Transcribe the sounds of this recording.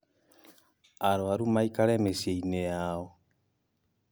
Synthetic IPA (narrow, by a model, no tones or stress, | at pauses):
aɾoaɾumaikalemesieinejawo